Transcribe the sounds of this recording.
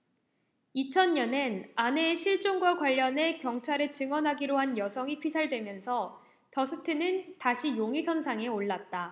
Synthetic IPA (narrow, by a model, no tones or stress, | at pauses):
it͡ɕʰʌnɲʌnenane̞ɕʰiɭt͡ɕ͈oŋɡwakwaʎːʌne̞kjʌŋt͡ɕʰaɾɯɭt͡ɕɯŋwʌnɦaɡiɾoɦanjʌsʰʌŋipʰisʰaɭdwe̞mjʌnsʰʌ | tʌsʰɯtʰɯnɯntaɕʰijoŋisʰʌnsʰaŋe̞oɭːat̚t͈a